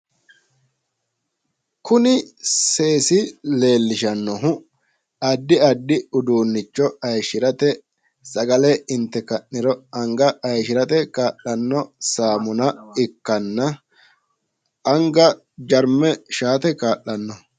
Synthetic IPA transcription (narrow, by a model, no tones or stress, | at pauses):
kʊnɪse̞ːsɪle̞ːlːɪʃɐnːɔɦʊ | ɐd̪ːɪɐd̪ːɪʊd̪uːnːɪt͡ʃːɔɐjʃɪɾɐt̪ɛ | sɐɡɐlɛɪnt̪ːɛkɐnɪɾɔɐŋɡɐɐjʃɪɾɐt̪ɛkaːʔɐnːɔsaːmʊnɐɪkːɐnːɐ | ʔɐŋɡɐ | d͡ʒɐɾmɛʃaːt̪ɛkaːʔːɐnːɔ